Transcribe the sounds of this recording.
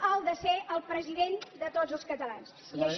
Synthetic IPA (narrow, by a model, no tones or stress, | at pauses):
əlˠd̪əseʔəlˠpɾəziðend̪ət̪ozəlˠskət̪əlans | iəʃ